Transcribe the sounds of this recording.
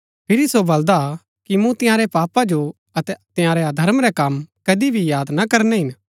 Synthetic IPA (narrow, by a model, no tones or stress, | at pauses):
pʰɪɾisobɐld̪a | kimũt̪ɪ̃jãːɾɛpaːpad͡ʒo | ɐt̪ɛt̪ɪ̃jãːɾɛad̪ʱɐɾmɾɛkɐmkɐd̪ibʱijaːd̪nakɐɾnɛɦɪn